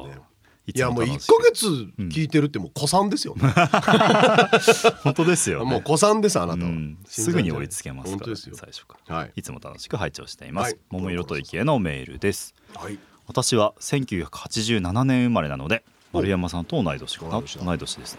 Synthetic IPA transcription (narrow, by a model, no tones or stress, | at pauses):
iɨamoikːaɡe̞t͡sɨ̃kʲiːt̪e̞ɾɯ̟t̪ːemoːkʰo̞sãnd̪e̞sɨjo̰ | õ̞nt̪od̪e̞sɨjo̞̰moko̞sãnd̪es̬anaɯãsɨɡɯ̟ɲioɾʲit͡sɨ̥ke̞masɨka̰ssa̰iɕo̥kḁɾit͡sɨmo̞t̪a̰no̞̰ɕi̥kɯ̟ɦait͡ɕo̞̰ːɕi̥t̪e̞̰ḭmasɨ̥momoiɾo̞t̪o̞ikʲieno̞me̞̰ːɾɯ̟̰d̪e̞sɨ̥ | βat̪aɕiβasẽ̞ŋkʲɨ̟ːçakɯ̟hat͡ɕiʑɨːnananẽɰ̃ɯmaɾe̞na̰no̞̰d̪e̞ | maɾɯ̟jamasãnt̪onaid̪o̞ɕi̥kanaid̪o̞ɕid̪esɨ̥